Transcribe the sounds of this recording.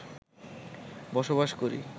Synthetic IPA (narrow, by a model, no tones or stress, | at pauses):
bɔʃobaʃkoɾḭ